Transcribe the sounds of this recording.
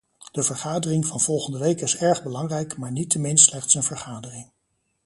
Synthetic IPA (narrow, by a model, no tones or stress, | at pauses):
d̥əvəɹχaːdərɪŋvɑnv̥ɔlˠχəndəʋejkɪsɛɹχbəlɑŋrɛjkmaːɹnitəmɪnslɛχtsənvəɹχaːdərɪŋ